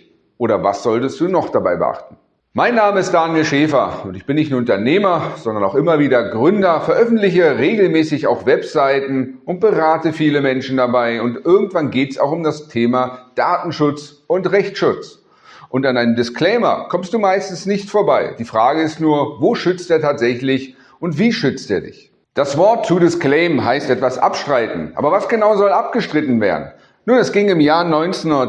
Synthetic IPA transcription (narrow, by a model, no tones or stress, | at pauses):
ʔoːɾɐva̰sz̥ɔltəst̚d̥uːnɔχd̥abaɪbə̰ʔa̰χtn̩ | maɪnːaːməɪstd̥aːniʃɛːfɐʊntɪçb̥ɪnːɪçtnuɐʊntɐneːmɐz̥ɔndɐnaʊxʔɪmɐviːdɐɡʁʏndɐfɛɐʔœfn̩tlɪçəʁeːɡl̩mɛːsɪçaʊxvɛpz̥aɪtn̩ʔʊnt̚b̥əʁaːtəfiːləmɛnʃn̩dabaɪʊntʔɪɐɡŋ̩tv̥anɡeːtɛsa̰ʊxʊmdastʰeːmad̥aːtn̩ʃʊt͡s | ʊntʁɛçtʃʊt͡s | ʔʊntanaɪnəmdɪskl̥ɛɪmɐ̰kʰɔmst̚d̥uːmaɪstn̩snɪçtfoːɐbaɪd̥iːfʁ̥aːɡəɪstnuːɐvoːʃʏt͡steːɐtʰaːtz̥ɛçlɪç | ʔʊntv̥iːʃʏt͡steːɐdɪ̰ç | d̥asv̥ɔɐtt͡sːudɪsklɛɪmɦaɪstʔɛtv̥asʔa̰pʃtʁ̥aɪtn̩ʔa̰ːbɐvasɡ̥ənaʊzɔlʔap̚ɡ̥əʃtʁ̥ɪtn̩veːɐdn̩ | nuːnɛsɡ̥ɪŋɪmjaːnɔʏnt͡sːnɐ